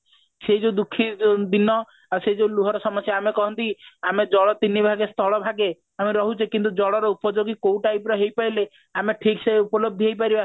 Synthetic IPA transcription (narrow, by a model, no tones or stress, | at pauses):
sejd͡ʒed̪ukʰːid̪inɔ | aseid͡ʒeuluɦɔɾɔsɔmɔsjaamekɔɦɔnt̪iamed͡ʒɔɭɔt̪inːibʱaɡest̪ʰɔɭɔbʱaɡe | ameɾɔɦut͡ʃʰikint̪̬ud͡ʒɔɭɔɾɔupɔd͡ʒoɡikoũʈajpɾɔɦejpaile | ameʈʰikseupɔlɔb̚d̪ʱiɦejpaɾiba